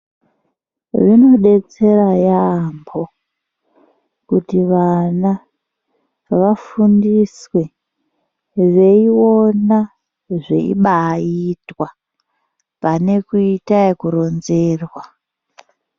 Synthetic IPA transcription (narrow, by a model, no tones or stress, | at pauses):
ʐino̞ɗe̞t͡se̞rajambo̞ | kutiʋana | ʋafundiswe | ʋeiwo̞na | ʐḛḭɓaitwa | pane̞kuitaekuɾo̞nzeːrwa